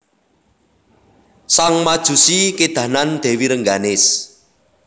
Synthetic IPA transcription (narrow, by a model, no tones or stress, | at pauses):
saŋmad̥ʒ̥ṳsiked̪̥ä̤nand̪̥ɛ̤wiɾəŋɡanɪs